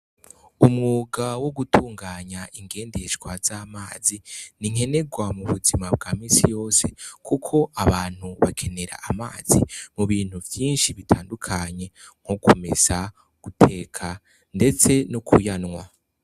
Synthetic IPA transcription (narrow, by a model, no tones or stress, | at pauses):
umŋuːɡawo̞ɡutʰuːŋɡaːɲaʔiŋɡe̞ːndeʃɡwaz̥aːmaːziniŋ̥he̞ne̞ɡwamuβuzimab̚ɡaːmiːsijo̞ːse̞kʰukʰo̞ʔaβaːn̥huβakʰe̞ne̞ɾa̰ʔːmaːz̥ḭmuβiːn̥huvjiːnʃiβitʰaːndukʰaɲe̞ | ŋ̥hokome̞̰z̥a | ɡ̥utʰe̞ːkʰa | nde̞t͡se̞nukʰujanŋwa